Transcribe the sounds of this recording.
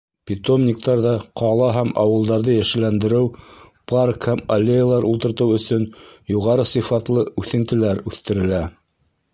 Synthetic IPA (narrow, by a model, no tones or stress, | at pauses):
pʲit̪omnʲik̚t̪ɑɾðɑqʰɑlˠɑɦæmɑwɤ̆lˠd̪ɑɾðɤjæʃɘ̆lænd̪ɘ̆ɾɘwparkhæmɐlʲːejalˠɑɾʔulˠt̪ɤ̆ɾt̪ɤwɵ̆sɵnjuʁɑɾɤsɤfɑt̪lˠɤʉθɘ̆nt̪ɘ̆læɾʉθt̪ɘ̆ɾɘ̆læ